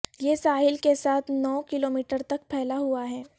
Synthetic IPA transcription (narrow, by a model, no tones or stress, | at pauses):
jeːsaːɦɪlkesaːt̪ʰnɔːkɪloːmiːʈəɾt̪ɐk̚pʰɛɦlaɦuaɦɛː